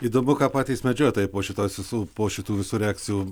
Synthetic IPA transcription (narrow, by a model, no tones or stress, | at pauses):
iːd̪oːmʲʊkɑpɑːt̪ʲiːsmʲɛd͡ʒʲoɔt̪oːjɪpoːʃʲɪt̪oːsʋʲɪsuːpoːʃʲɪt̪uːʋʲɪsuːɾʲɛɑːkt͡sʲɪjuː